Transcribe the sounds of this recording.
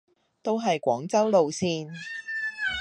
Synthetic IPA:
t̪o˥wɦɐ˨jkʷɔː˨˥ŋt͡sɐ˥wlo˨wsiː˧n

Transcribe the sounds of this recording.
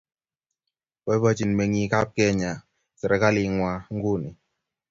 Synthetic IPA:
bɔ˨˦bɔ˦t͡ʃi˨nmɛ˨ŋi˨˦ka˦p̚kɛ˦˨ɲa˨ | sɛ˨ɾɛ˨ka˦li˨ŋwa˨ŋ̩˦ɡu˦˨ni˨

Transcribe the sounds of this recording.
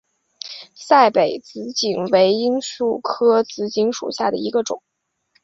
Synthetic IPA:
sa˥˩ɪpe˨˩ɪt͡sɹ̩˧˥t͡ɕi˨˩ŋwe˧˥ɪi˥nsu˥˩kʰɤ˥t͡sɹ̩˧˥˩t͡ɕi˧˥ŋʂṵ˨˩ɕja˥˩d̪ə̰˩i˧˥ɡə˧ʈ͡ʂʊ̰˨˩˦ŋ

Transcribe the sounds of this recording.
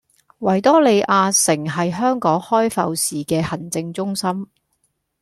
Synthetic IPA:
wɐ˨˩jt̪ɔː˥le˨˧jʔaː˧sɪ˨˩ŋɦɐ˨jɦœː˥ŋkɔː˨˥ŋhɔː˥jfɐ˧wsiː˨kɛː˧hɐ˨˩nt͡sɪ˧ŋt͡sʊ˥ŋsɐ˥m

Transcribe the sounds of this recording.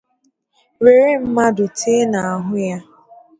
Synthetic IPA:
ɾe˨ɾe˦m̩˦ma˦dʊ˨tʰeː˦na˨a˨ɦʊ˦ja˦

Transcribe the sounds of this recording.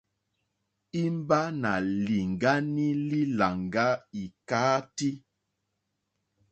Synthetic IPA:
i˦mba˦na˨li˨ŋɡa˦ni˦li˦la˨ŋɡa˦i˨kaː˨˦ti˦

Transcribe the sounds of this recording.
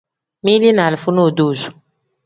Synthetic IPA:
mi˦li˦na˨lfu˦nu˦˨du˦˨su̥˨

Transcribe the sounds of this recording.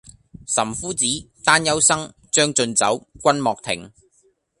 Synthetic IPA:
sɐ˨˩mfuː˥t͡siː˨˥t̪aː˥njɐ˥wsɐ˥ŋ | t͡ʃœː˥ŋt͡ʃɵ˧nt͡sɐ̰˨˥wkʷɐ˥nmɔː˨k̚t̪ʰɪ̰˨˩ŋ

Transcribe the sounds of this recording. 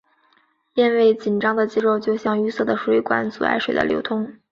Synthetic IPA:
pjɛ˥˧nwe˥˩ɪt͡ɕi˨˩nʈ͡ʂɑ˥ŋd̪ə˨t͡ɕi˥ɻo˥˧ʊt͡ɕjo˥˧ʊɕjɑ˥˧ŋy˥sɤ˥˩d̪ə˩ʂwe˧˥ɪkwa̰˥nt͡su˨˩a̰˥˧ɪʂwe˨˩ɪd̪ə̰˦ljo̰˧˥ʊt̪ʰʊ˥ŋ

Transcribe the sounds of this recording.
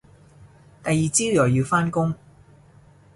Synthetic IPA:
t̪ɐ˨jːiː˨t͡siː˥jœː˨˩jiː˨˧wfaː˥nkʊ˥ŋ

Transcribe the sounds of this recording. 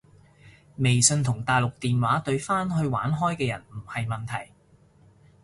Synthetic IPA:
me˨jsɵ˧nt̪ʰʊ˨˩ŋt̪aː˨jlʊ˨k̚t̪iː˨nwaː˨˥t̪ɵ˧ɥfaː˥nɦɵ˧ɥwa̰ː˨˥nɦɔː˥jkɛː˧jɐ̰˨˩nm̩˨˩hɐ˨jmɐ˨nt̪ʰɐ˨˩j

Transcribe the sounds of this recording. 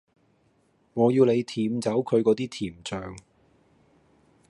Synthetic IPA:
ŋɔː˨˧jiː˧wle˨˧jt̪ʰiː˨˥mt͡sɐ˨˥wkʰɵ˨˧ɥkɔː˨˧˥t̪iː˥t̪ʰiː˨˩mt͡ʃœː˨ŋ

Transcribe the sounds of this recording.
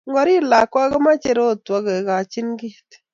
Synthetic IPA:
ŋɡɔ˦ɾi˦la˨kwa˦kɔ˦ma˦t͡ʃe˦ɾo˦˨twɔ˦ɣe˨ka˨t͡ʃi˦nɡi˦t

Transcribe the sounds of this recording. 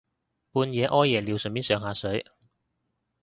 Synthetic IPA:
puː˧njɛː˨˧˥ʔɔː˥jːɛː˨˩liː˨˧wsɵ˨˩nmiː˥sœː˨˧ŋɦaː˨˧sɵ˨˥ɥ

